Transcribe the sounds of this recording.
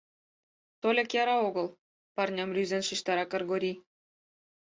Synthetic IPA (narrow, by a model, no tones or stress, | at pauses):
t̪olʲĕkjɑɾɑoɣɤ̆lˠ | pɑrnʲɑmlʲyzenʃiʃt̪ɑɾɑkɤ̆rɣoɾʲi